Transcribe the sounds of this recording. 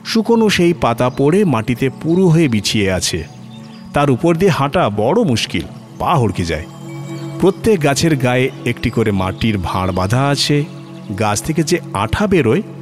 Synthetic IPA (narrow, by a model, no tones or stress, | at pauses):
ʃukonoʃejpat̪apoɽemaʈit̪epuɾuɦoebit͡ɕʰieat͡ɕʰḛ | t̪aɾupoɾd̪iehãʈabɔɽomuʃkḭl | paɦoɽkʰid͡ʑa̰e | pɾot̪ːek̚ɡat͡ɕʰeɾɡaeekʈikoɾema̰ʈiɾbʱa̰ɽ̃bad̪ʱaat͡ɕʰe | ɡat͡ɕʰt̪ʰeked͡ʑea̰ʈʰabeɾoe